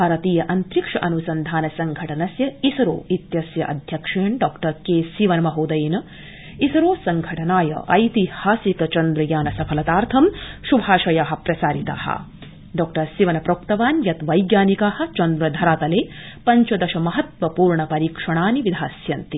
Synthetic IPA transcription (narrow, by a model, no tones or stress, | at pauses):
bʱaːɾɐt̪iːjɐʔɐnt̪ɾikʂɐʔɐnusɐnd̪ʱaːnɐsɐŋɡʱɐʈɐnɐsjɐisɐɾo̰ːit̪jɐsjɐʔɐ̰d̪ʱjɐkʂeːɳɖɔːkʈɐɾkeːsiʋɐnɐmɐɦoːd̪ɐjnɐ | isɐɾoːsɐŋɡʱɐʈɐnaːjɐ̰ʔɐ̰jt̪ihaːsikɐt͡ʃɐnd̪ɾɐjaːnɐsɐpʰɐlɐt̪aːɾt̪ʰɐmʃubʱaːʃɐjaːɦɐ̆pɾɐsaːɾit̪a̰ːhɐ̰ | ɖɔːk̚ʈɐɾsiʋɐnɐpɾoːkt̪ɐʋaːnjɐt̪ʋɐjɡjaːnikaːhɐ̆t͡ʃɐnd̪ɾɐd̪ʱɐɾaːt̪ɐleː | pɐɲt͡ʃɐd̪ɐʃɐmɐɦɐt̪ʋɐpuːɾɳɐpɐɾiːkʂɐɳaːniʋid̪ʱaːsjɐnt̪i